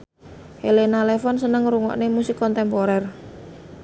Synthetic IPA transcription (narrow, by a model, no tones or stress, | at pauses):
helenalɛfɔnsənəŋɾuŋɔ̰ʔnemusikɔnt̪ɛmpoɾɛr